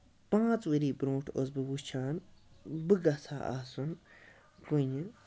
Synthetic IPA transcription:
pãːt͡swiɾiːbɾõːʈʰos̬bɨwut͡ʃʰaːnbɨɡɐsa̰ːʔa̰ːsun | kuɲin

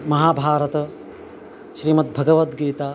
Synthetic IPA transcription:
mɐɦaːbʱaːɾɐt̪ɐ | ʃɾiːmɐt̪̚bʱɐɡɐʋɐt̪ɡiːt̪aː

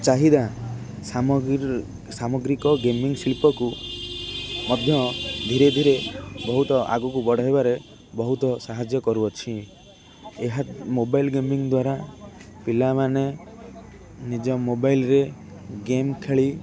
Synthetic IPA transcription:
t͡ʃaɦid̪a | sa | samɔɡɾikɔɡemiŋsilpɔku | mɔd̪ʱjɔd̪ʱiɾed̪ʱiɾebɔɦut̪ɔʔa̰ɡɔkubɔɽ̤ʱɔɦebaɾe | bɔɦut̪ɔsaɦad͡ʒjɔkɔɾuɔt͡ʃʰi | eɦat̪mobajlɡemiŋd̪waɾapilamane | nid͡ʒɔmobajlɾe | ɡemkʰeɭi

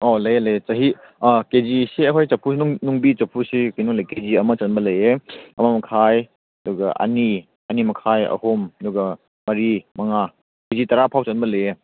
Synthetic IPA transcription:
olɐjlɐjt͡ʃɐɦi | ked͡ʒisiɐɦʰojt͡ʃɐpʰunuŋbit͡ʃɐpʰusikinoŋlɐjked͡ʒiɐmɐt͡ʃɐnbɐlɐjeɐ̰mamɐkʰaj | ɐduɡɐʔɐ̰ni | ɐnimɐkʰajɐ̰homɐduɡɐ | mɐɾimɐŋa | kezitɐɾapʰawt͡ʃɐnbɐlɐje

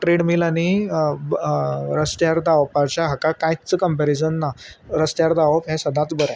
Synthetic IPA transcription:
ʈɾeɽmilañi | ɾəst̪jaɾd̪aʋpaɾt͡ɕjaɦakakãjt͡səkəmpeɾisənːaɾəst̪jaɾd̪aʋəpɦɛ̃səd̪ʱãt̪bəɾɛ̃

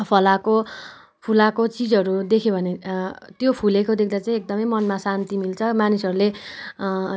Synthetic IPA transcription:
pʰʌlako | pʰulakot͡sid͡zʌɾud̪ekʰjobʱʌnet̪jopʰulekod̪ekʰd̪at͡saĩekd̪ʌmʌjmʌnmasant̪imilt͡sʰʌmanisʌɾule

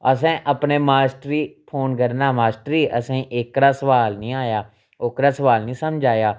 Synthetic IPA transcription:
əs̬ɛ̃ːʔəpneːmaːsʈɾiːpʰoːnkəɾnaːmaːsʈɾiːʔəsẽːʔɪkɾaːsəʋaːlnĩːaːjaː | oːkɾaːsəʋaːlnĩːsəmd͡ʒʱaːjaː

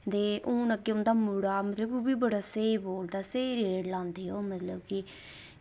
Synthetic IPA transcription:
d̪eːʔõːnəɡeːʊ̃nd̪aːmuɽaːmət̪ləboːbiːbəɽaːseːiboːld̪aːseiɾeːɖlãːnd̪eːɦoːmət̪ləbkɪ

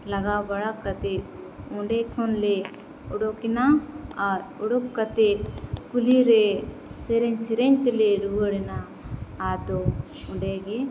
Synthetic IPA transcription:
laɡabaɽakːat̪e | ɔɳɖɛkʰɔnlɛ | ɔɽɔkinaaɾɔɽɔkːat̪ekuliɾɛ | sɛɾɛɲsɛɾɛɲt̪ɛlɛɾuəɽɛnaː | d̪ɔ | ɔɳɖɛɡe

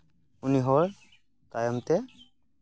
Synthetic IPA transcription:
uniɦɔɹ | kajɔmtɛ

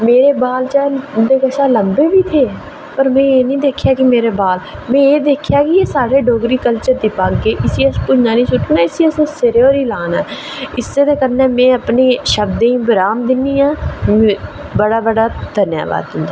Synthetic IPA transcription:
meːɾeːbaːlt͡ʃaːd̪eːkəʃaːləmbeːbiːt̪ʰeː | pəɾmɛ̃ːeːnĩːd̪eːkʰːjaːkimeːɾeːbaːl | mɛ̃ːeːd̪eːkʰjaːkɪeːsaːɾeːɖoːɡɾiːkəlt͡ʃəɾd̪ipaːɡːeːʔɪsiːəspʊd͡ʒnãːnĩːsʊʈʰːunaːɪsiːəsõːsɪɾeːoːɾiːlaːnaː | ɪsːeːd̪aːkəɾnɛːmɛ̃ːəpneːʃəbd̪ẽːĩːbəɾaːmd̪ɪnːiːãː | bəɽaːbəɽaːd̪ʱənja̰ːʋa̰ːd̪ɦʊ̃nd̪aː

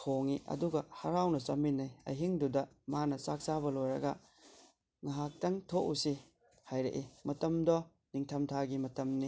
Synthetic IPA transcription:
tʰoŋiʔɐ̰duɡɐhɐɾawnɐsɐminːɐjɐ̰jɦiŋdudɐ | manɐsak̚sabɐlojɾɐ̰ɡɐ | ŋɐɦak̚tɐŋtʰoʔusi | hajɾḛʔimɐtɐmdɔ | niŋtʰɐmtʰaɡimɐtɐmni

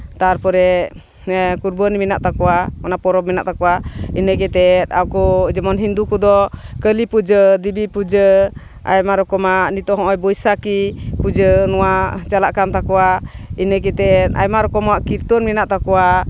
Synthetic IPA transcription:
t̪aɾpɔɾɛ | kuɾbənimɛnaʔt̪akɔwaɔnapɔɾɔb̚mɛnaʔt̪akɔwainəɡɛt̪ɛt̪awkɔd͡ʒɛmɔnɦind̪ukɔd̪ɔkəlipud͡ʒəd̪ibipud͡ʒə | a̰jmaɾɔkɔmanit̪ɔɦɔ̃ʔɔjbɔjsakipud͡ʒənɔwat͡ʃalaʔkant̪akɔwainəɡɛt̪ɛɾa̰jmaɾɔkɔmaʔkiɾt̪ɔnmɛnaʔt̪akɔwa

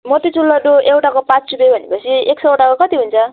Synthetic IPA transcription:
mot̪it͡sulːʌd̪oʔewʈakopãt͡st͡supebʱʌnepʌt͡sʰieksʌoʈakokʌt̪iɦunt͡sʰʌ

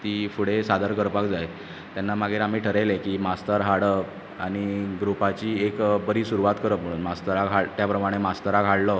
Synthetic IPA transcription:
t̪iːfuɽ̤esad̪ʱəɾkəɾpakd͡zaj | t̪janːamaɡeɾam̤iːʈʰəɾelekiːmast̪əɾɦaɽə | aɽ̃iɡɾupat͡ɕiːekbəɾiːsuɾuʋat̪kəɾəpm̤əɽ̃uːnmast̪əɾaɡʱaɭt̪japɾəmaɽ̃emast̪əɾaɡʱaɽlə

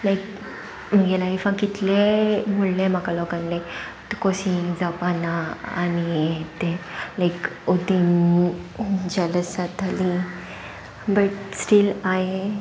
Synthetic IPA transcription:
lajk | m̤əɡelajfãkit̪lemullem̤akalɔkãnle | t̪kosĩd͡zapana̰ːniɛt̪ẽlaikod̪in | d͡ʑɛləsat̪alĩ | bəʈsʈilaɦe

